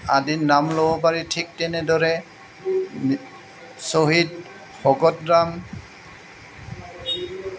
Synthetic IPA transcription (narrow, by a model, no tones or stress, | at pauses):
adinamlobɔp̬aɹitʰik̚tɛnɛdɔɹɛ | soɦid | xɔɡɔt̚ɹam